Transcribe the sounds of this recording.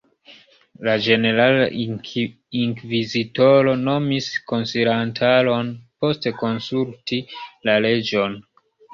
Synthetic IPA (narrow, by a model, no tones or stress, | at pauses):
lad͡ʒe̞ne̞ɾala | iŋkvizitoɾo̞no̞misko̞nsiɾantʰalo̞npo̞ste̞ko̞nsultilale̞d͡ʒo̞n